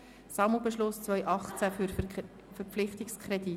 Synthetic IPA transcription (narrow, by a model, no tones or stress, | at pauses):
sɑml̩bɛʃlʊst͡sʋœjʔɑχt͡sæɾ | fɛɾpflɪχtɪkskʰɾɛd̪i